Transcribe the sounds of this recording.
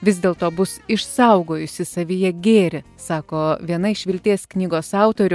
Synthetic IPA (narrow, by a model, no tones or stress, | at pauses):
ʋʲɪzʲd̪ʲeːlˠt̪oːbʊsɪʃsɐʊɡoːjʊsʲɪsɐʋʲijɛɡʲeːɾʲɪ | sɑːkoːʋʲiɛnɐɪʃʋʲɪlʲt̪ʲeːsknʲiːɡoːsɑˑʊt̪oːɾʲʊ